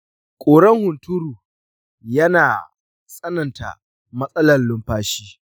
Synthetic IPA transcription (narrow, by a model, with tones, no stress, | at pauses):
kʷʼoː˨ɽɐ˦ŋhʊ˨ntʊ˦ɾuː˨ | jɐ˦naː˨ | sʼɐ˦nɐ˨nta̰˨ | mɐ˦sʼɐ˦lɐ˨llʊ˦mɸaː˦ʃiː˦